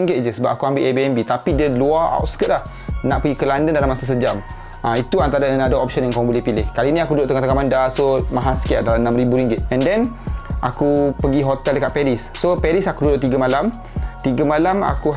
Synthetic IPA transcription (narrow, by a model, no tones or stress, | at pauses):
ŋɡɪt̪̚d͡ʒəsəbap̚akuambɪlebiɛmbit̪apidəluaa̰wt̪̚skət̪̚lah | nãʔpəɡikəlandəndalamasas̬əd͡ʒam | ãit̪uant̪aɾəɛnadəɔp̚ʃə̃njaŋkãbolɪhpilɪhkalinĩakududʊʔt̪əŋat̪əkamandasomãɦaskiaʔ̚dalamnãmɾibuɾiŋɡɪt̪̚ɛ̃ndɛnʔakupəɡiɦot̪ɛldəkaʔ̪̚pɛɾisːopɛɾisakududʊʔt̪iɡəmalam | t̪iɡəmalama̰ku